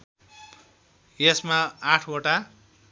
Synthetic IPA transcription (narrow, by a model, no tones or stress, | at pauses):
jesmaaʈʰoʈa